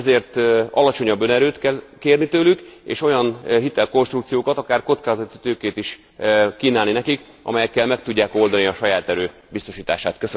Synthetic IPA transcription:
zeːrt̪ɒ̰lɒt͡ʃo̞ɲɒbːø̞nɛɾøːt̪kɛlkeːrnit̪øːlykḛːʃo̞jɒnɦit̪ɛlko̞nʃt̪rukt̪sijoːkɒt̪ɒkaːrko̞t̪skaːzɒt̪it̪øːkeːt̪iʃ | kiːnaːlninɛkik | ɒ̰mɛjɛkːɛlmɛk̚t̪uɟːaːko̞ld̪ɒniɒʃɒjaːt̪ɛɾøːbist̪o̞ʃiːt̪a̰ːʃaːt̪køs

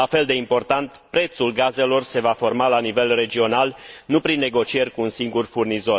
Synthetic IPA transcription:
afe̞ld̪e̞impo̞rt̪ant̪pɾe̞t̪sulɡaze̞lo̞rse̞vafo̞rmalanive̞lre̞d͡ʒio̞nalnupɾinːe̞ɡo̞t͡ʃie̞rʲkuːnsiŋɡurfurnizo̞r

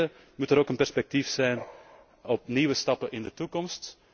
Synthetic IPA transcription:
ə | mutəɾoːkənpɛrspɛk̚tifsɛjn | ɔp̚niwəstɑpəʔɪndətukɔmst

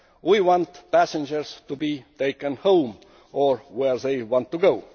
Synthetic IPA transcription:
wiwɑ̃ntpæsɪ̃nd͡ʒəɹst̪ubiːt̪ʰeɪkə̃nhõʊ̃m | oɹweɹðeɪwɑ̃nt̪ːuɡoʊ

